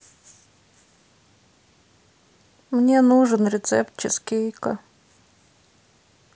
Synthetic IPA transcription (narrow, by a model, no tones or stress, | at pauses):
mnʲenuʐɨnɾʲɪt̪sɛp̪t͡ɕɪskʲejkə̰